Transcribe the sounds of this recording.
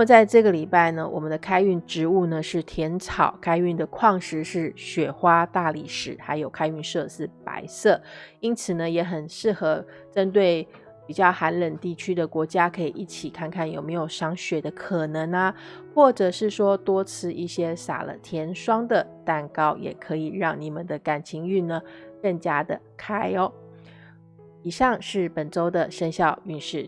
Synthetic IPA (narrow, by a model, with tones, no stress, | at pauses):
nəmə˨˩t͡sa˥˧ɪʈ͡ʂɤ˥˩ɡə˨li˨˩pa˥˩ɪnə˩wʔɔ̰˨˩mə˦nd̪ə˧kʰa˥ɪy˥˩nʈ͡ʂɻ̩˧˥u˥˩nə˩ʂɻ̩˥˩t̪ʰjɛ˧˥nt͡sʰɑ˨˩ʊkʰa˥ɪy˥˩nd̪ə˩kʰwɑ˥˧ŋʂɻ̩˧˥ʂɻ̩˥˩ɕɥɛ˨˩xwa˥t̪a˥˧li˥˩ʂɻ̩˨˩˦xa˧˥ɪjo˨˩ʊkʰa˥ɪy˥˧nʂɤ˥˧sɹ̩˥˩pa̰˧˥˦ɪsɤ˥˩i˥nt͡sʰɹ̩˨˩nə˦jɛ˧˥xə˨˩nʂɻ̩˥˩xɤ˧˥ | ʈ͡ʂə˦˥nt̪we˥˩ɪ | pi˨˩t͡ɕjɑ˥˩ʊxa˧˥nɻə˨nt̪i˥˩t͡ɕʰy˥d̪ə˨kwɔ˧˥t͡ɕja˥kʰɤ˧˥i˨˩ʔi˥˩t͡ɕʰi˨˩kʰa˥˧nkʰa˥˩njo˨˩ʊme˧˥ɪjo˨˩ʊʂɑ˧˥ŋɕɥɛ˨˩d̪ə˦kʰɤ˨˩nɤ˧˥ŋɐ˧xwɔ˥˩ʈ͡ʂɤ˨˩ʂɻ̩˥˩ʂwɔ˥t̪wɔ˥t͡sʰɹ̩˥˧i˥˩ɕjɛ˥sa̰˨˩lə̰˦t̪ʰjɛ˧˥nʂwɑ˥ŋd̪ə˨t̪a˥˩nkɑ˥ʊjɛ̰˨˩kʰɤ˧˥i˨˩ɻɑ˥˩ŋni˨˩mə˦nd̪ə˦ka˨˩nt͡ɕʰi˧˥ŋy˥˩nnə˩kə˥˩ŋt͡ɕja˥d̪ə˨kʰa˥ɪɔ˧ | i˨˩ʂɑ˥˧ŋʂɻ̩˥˩pə˨˩nʈ͡ʂo˥ʊd̪ə˨ʂə˥nɕjɑ˥˧ʊy˥˧nʂɻ̩˥˩